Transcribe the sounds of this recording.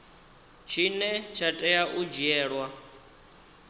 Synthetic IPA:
t͡ʃʰinɛt͡ʃʰatʼɛjaʔud͡ʒiɛːɺwa

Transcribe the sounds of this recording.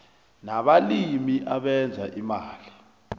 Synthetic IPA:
naɓalimiʔaɓɛnd͡zʱa̰ʔimaːli

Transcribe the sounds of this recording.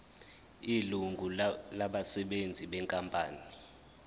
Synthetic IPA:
iluŋɡʱulaɓasɛɓend͡zʱiɓɛŋkʼampʼa̰ːni

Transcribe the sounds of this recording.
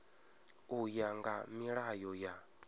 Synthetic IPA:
ujaŋɡa̰miɺajɔja

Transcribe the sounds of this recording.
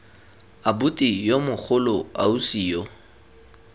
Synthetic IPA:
abʊtʼijomʊk͡xʰʊlɔausiːjɔ

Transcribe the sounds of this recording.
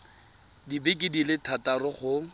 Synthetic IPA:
dibɪkʼɪdilɪtʰatarʊχʊ

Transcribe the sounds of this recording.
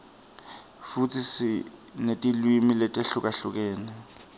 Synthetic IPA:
fut͡sʰɪsɪnetʼilwimiletʼeɬʊkʼaɬʊk̬ʼɛːnɛ

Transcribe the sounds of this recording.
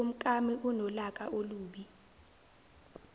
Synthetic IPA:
um̩kʼamiʔunɔlakʼaoluːɓi

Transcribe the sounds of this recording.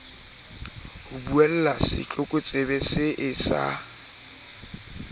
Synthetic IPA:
hʊbuɛl̩lasɪ̰t͡ɬʼʊkʼʊt͡sʼɪbɛsɪʔɪsa̰

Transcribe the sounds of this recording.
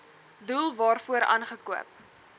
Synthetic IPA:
dulˠvɑːrfuəɾʔɑ̰ːnχəkuəp̚

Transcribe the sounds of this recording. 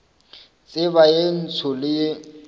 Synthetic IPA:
t͡sʼɪβajen̩t͡sʰʊlɪje

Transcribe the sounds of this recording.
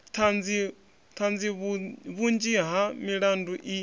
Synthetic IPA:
t̪ʰand͡zi | t̪ʰand͡ziββund͡ʒiɦamiɺanduʔi

